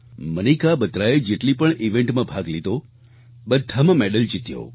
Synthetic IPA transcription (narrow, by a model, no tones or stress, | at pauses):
mənikabət̪ɾaed͡ʒeʈlipəɳiʋẽɳʈmãbʱaɡlid̪o | bəd̪ʱːəmmɛɖəlt͡ʃit̪jo̰